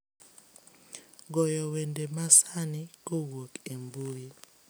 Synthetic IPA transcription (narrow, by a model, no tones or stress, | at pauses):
ɡɔjɔwendemasanɪkowokembuji